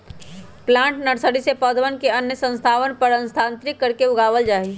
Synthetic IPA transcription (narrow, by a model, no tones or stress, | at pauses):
plãːɳʈnəɽsəɽisepəd̪ʱʋənkeənjəsə̃nst̪ʰaːʋənpəɾə̃nst̪ʰãːnt̪ɾɪkːəɾkeʊɡaːʋəld͡ʒaːɦi